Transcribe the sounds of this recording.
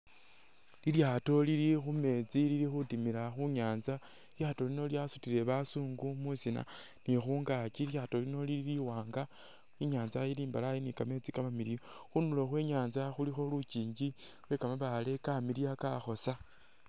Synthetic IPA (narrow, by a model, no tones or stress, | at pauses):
liljaːto̞lilixume̞t͡siliɾixutimilaxuɲaːnza | iljaːto̞lino̞ljasutiɾe̞βasuːŋɡumusina̰ | nixuːŋɡaciljaːto̞lino̞lililiwaːŋɡa | iɲaːnzajiliːmbalajenikame̞t͡sikamamilioxunuloxweːɲaːnzaxulixo̞luciːɲɡi | we̞kamaβale̞kamiliakaxo̞sa